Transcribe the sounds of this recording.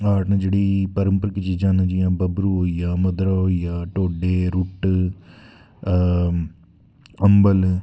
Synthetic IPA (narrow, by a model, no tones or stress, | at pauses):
aːʈnãd͡ʒeɽiːpəɾə̃mpəɾkit͡ʃiːd͡ʒãːnãd͡ʒijãːbɐbɾuɦoːijaːmɐd̪ɾaɦoːijaːʈoːɖeːɾʊʈ | ɐmbəl